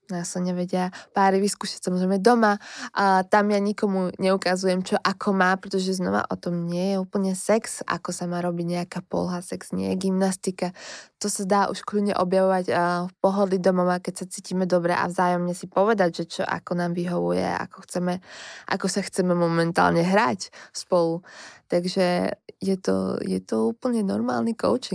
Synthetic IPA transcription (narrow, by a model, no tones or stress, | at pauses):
naːsaɲɛʋɛɟɪapaːɾiʋiskuːʃḁcsamɔzɾɛjmɛd̪ɔma | t̪amjaɲikɔmuɲɛukazujɛmt͡ʃɔʔakʰɔmaːpɾɛt̪ɔʒɛznɔ̰ʋa̰ʔɔ̰t̪ɔmɲɪɛjɛuːpl̩ɲɛsɛksa̰kɔsamaːɾɔbiɟɲɛakaːpɔ̰lɦasɛkz̥ɲɪɛ̰jɛɡimnast̪ikat̪ɔsad̪aːʔṵʃkluɲɛ̰ʔɔbjaʋɔʋaɟfpɔɦɔd̪lid̪ɔmɔʋakɛcsat͡siːcimɛd̪ɔbɾɛ̰ʔa̰vzaːjɔmɲɛsipɔʋɛd̪aɟʒɛt͡ʃɔ̰ʔa̰kɔnaːmʋiɦɔʋṵjɛ̰a̰kɔxt͡sɛmɛʔa̰kɔsaxt͡sɛmɛmɔmɛnt̪a̰ːlɲɛɦɾacspɔlut̪aɡʒɛjɛt̪ɔ̰jɛt̪ɔuːpl̩ɲɛnɔɾma̰ːlnikɔ̰ʊt͡ʃiŋ